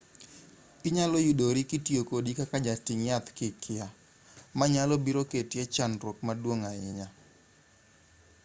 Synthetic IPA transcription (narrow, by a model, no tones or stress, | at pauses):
ɪɲalɔjudoɾikitiokodikakad͡ʒatɪŋjat̪kɪkʰɪa | maɲalɔbiɾoketjɛt͡ʃanɾwokmadwoŋaɪɲa